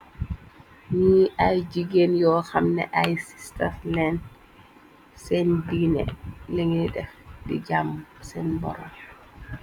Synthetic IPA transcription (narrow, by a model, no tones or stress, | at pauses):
niːʔajd͡ʒiɡenjɔːxamnɛ̰ʔajsi̥staflɛn | sɛndinɛ̰leŋiɗɛbḭd͡ʒamsɛnbɔ̰ɾɔm